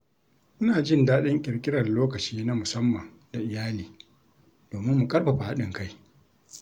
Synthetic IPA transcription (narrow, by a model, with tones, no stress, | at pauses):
ʔʊ˦naː˨d͡ʒɪ˦ndaː˦ɗɪ˦ŋkʲʼɪ˨ɾkʲʼɪ˦ɽɐ˨loː˦kɐ˨t͡ʃiː˦na˦mʊ˨sɐ˦mːɐ˨ŋ | da˨ʔɪ˨jaː˦liː˨ | d̥oː˨mɪ˦mːʊ˨kʼɐ˦rɸɐ˨ɸa˨ha˦ɗɪ˨ŋka˦j